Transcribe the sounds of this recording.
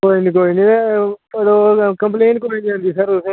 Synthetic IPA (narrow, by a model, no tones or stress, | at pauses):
koːiniːk̬oːinĩːeɾokə̃mpleːɳʈkoːinĩɦõːnd̪iːsəɾʊsẽ